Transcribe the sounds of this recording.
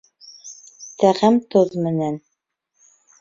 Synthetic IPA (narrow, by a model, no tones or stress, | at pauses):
t̪æʁæmt̪oðmɘ̆næn